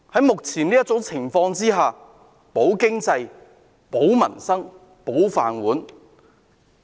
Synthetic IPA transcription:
hɐ˨˥jmʊ˨k̚t͡sʰiː˨˩nliː˥jɐ˥t̚t͡sʊ˨˥wt͡sʰɪ˨˩ŋfɔː˧ŋt͡siː˥ɦaː˨ | po˨˥wkɪ˥ŋt͡sɐ˧j | po˨˥wmɐ˨˩nsɐ˥ŋ | po˨˥wfa̰ː˨nwuː˨˥n

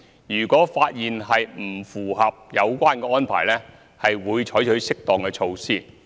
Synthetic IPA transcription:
jyː˨˩kɔː˨˥faː˧t̚jiː˨nhɐ˨jm̩˨˩fuː˨˩ɦɐ˨p̚jɐ˨˧wkʷaː˥nkɛː˧ɔː˥npʰa̰ː˨˩jlɛː˥ | hɐ˨jwuː˨˧jt͡ʃʰɔ˨˥jt͡ʃʰɵ˨˥ɥsɪ˥k̚t̪ɔː˨˩ŋkɛː˧t͡ʃʰo˧wsiː˥˩

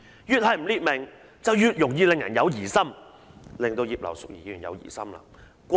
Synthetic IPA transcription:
jyː˨t̚hɐ˨jm̩˨˩liː˧t̚mɪ˨˩ŋ | t͡sɐ˨wjyː˨˧t̚jʊ˨˩ŋjiː˧lɪ˨ŋjɐ˨˩njɐ˨˧wjiː˨˩sɐ˥m | lɪ˨ŋt̪o˧wjiː˨p̚lɐ̰˨˩wsʊ˨k̚jiː˨˩˨yː˨˩njɐ̰˨˧wjḭː˨˩sɐ˥mla̰ː˧ | kʷ

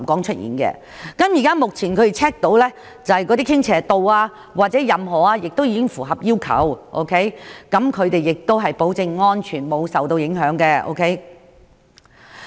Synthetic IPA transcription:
mkɔː˨˥ŋt͡ʃʰɵ˥t̚ʔḭː˨˩nkɛ̰ː˧ | kɐ˨˥mjiː˨˩kaː˥mʊ˨k̚t͡sʰiː˨˩nkʰɵ˨˧ɾe˨t͡sʰɛː˥k̚t̪o˨˥wlɛː˥ | t͡sɐ˨hɐ˨jkɔː˨˧t̪iː˥kʰɪ˥ŋt͡sʰɛː˨˩t̪o˨waː˧ | waː˨t̚t͡sɛː˨˥jɐ˨mɦɔː˨˩aː˧jɪ˨k̚t̪wjiː˨˧kɪ˥ŋfuː˨˩ɦɐ˨p̚jiː˥wkʰɐ̰˨˥wʔo̰˥wkʰe˦˥jkɐ˨˥mkʰɵ˨˧t̪e˨jɪ˨k̚t̪o˥wɦɐ˨jpo˨˥wt͡sɪ˧ŋŋɔː˥nt͡ʃʰyː˨˩nmo˨˧wsɐ˨wt̪o˧wjɪ˨˥ŋɦœː˨˥ŋkɛ˧ʔo̰˥wkʰe˦˥j

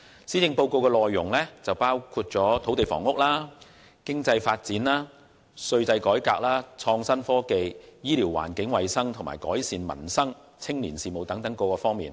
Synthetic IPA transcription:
siː˨˥t͡sɪ˧ŋpo˧wko˧wkɛː˧lɔː˨jːʊ˨˩ŋlɛː˥t͡sɐ˨wpaː˥wkʰuː˧t̚t͡sɔː˨˥t̪ʰo˨˥wt̪e˨jfɔ̰ː˨˩ŋʊ˥k̚laː˥ | kɪ˥ŋt͡sɐ˧jfaː˧t̚t͡siː˨˥nlaː˥ | sɵ˧ɥtɐ˧jkɔː˨˥jkaː˧k̚laː˥t͡sʰɔː˧ŋsɐ˥nfɔː˥ke˨jjiː˥liː˨˩wːa̰ː˨˩nkɪ˨˥ŋwɐ˨jsɐ˥ŋt̪ʰʊ˨˩ŋma̰ː˨˩jkɔː˨˥jsiː˨nmɐ̰˨˩nsɐ˥ŋ | t͡sʰɪ˥ŋliː˨˩nsiː˨mo˨wt̪ɐ˨˥ŋt̪ɐ˨˥ŋko˧kɔː˧fɔː˥ŋmḭː˨˩n

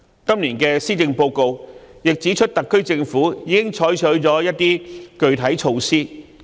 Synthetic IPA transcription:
kɐ˥mliː˨˩nkɛː˧siː˥t͡sɪ˧ŋpo˧wko˧wjɪ˨k̚t͡siː˨˥t͡ʃʰɵ˥t̚t̪ɐ˨kʰːɵ˥ɥt͡sɪ˧ŋfuː˨˥jiː˨˧kɪ˥ŋt͡ʃʰɔː˨˥jt͡ʃʰɵ˨˥t͡sɔː˨˥jɐ˥t̚t̪iː˥kɵ˨˧ɥt̪ʰɐ˨˥jt͡ʃʰo˧wsiː˥

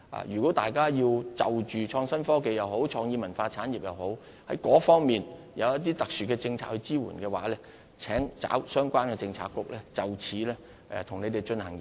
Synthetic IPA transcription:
a̰ː˨jyː˨˩kɔ˨˥t̪aː˨jkaː˥jiː˧wt͡sɐ˨wt͡ʃyː˨t͡ʃʰɔː˧ŋsɐ˥nfɔː˥ke˨jɐ˨who˨˥wt͡ʃʰɔː˧ŋjiː˧mɐ˨˩nfaː˧t͡sʰaː˨˥nji˨p̚jɐ˨who˨˥w | hɐ̰˨˥jkɔː˨˥fɔː˥ŋmiː˨n | jɐ˨˧wjɐ˥t̚t̪iː˥t̪ɐ˨k̚syː˨˩kɛː˧t͡sɪ˧ŋt͡sʰa̰ː˨t̚hɵ˧ɥt͡siː˥wṵː˨˩nkɛː˧waː˨˥lɛː˥ | t͡sʰɛː˨˥ŋt͡sa̰ː˨˥wsœː˥ŋkʷaː˥nkɛː˧t͡sɪ˧ŋt͡sʰa̰ː˧˥kːʊ˥k̚lɛː˥t͡sɐ˨wt͡sʰiː˨˥lɛː˥ | ɛ̰ː˨t̪ʰʊ˨˩ŋne˨˧jt̪e˨jt͡ʃɵ˧nhɐ˨˩ŋji˨

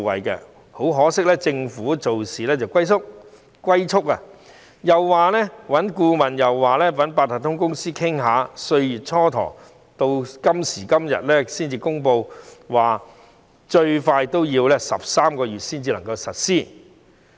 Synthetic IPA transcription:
ɐ̰˨jkɛ̰˧ | ho˨˥wɦɔː˨˥sɪ˥k̚lɛː˥t͡sɪ˧ŋfuː˨˥t͡so˨wsiː˨lɛː˥t͡sɐ˨˩wkʷɐ˥jt͡sʰʊ˥k̚ | kwɐ˥jt͡sʰʊ˥k̚a˧ | jɐ˨wːaː˨lɛː˥wɐ˨˥nkuː˧mɐ˨˩njɐ˨˩wːaː˨˩lɛː˥wɐ˨˥npaː˧t̪ʰa˨˩t̪ʰʊ˥ŋkʊ˥ŋsiː˥kʰɪ˥ŋɦaː˨sɵ˧ɥjyː˨t̚t͡ʃʰɔː˥t̪ʰɔ̰ː˨˩ŋ | t̪o˧wkɐ˥msiː˨˩kɐ˥mjɐ̰˨t̚lɛː˥siː˥nt͡siː˧kʊ˥ŋpo˧wwaː˨ | t͡ʃɵ˧ɥfaː˧jt̪o˥wjiː˧wlɛː˥sɐ̰˨˩p̚saː˥mkɔː˧ɥyː˨t̚siː˥nt͡siː˧lɐ˨˩ŋkɐ˧wsɐ˨t̚siː˥˩

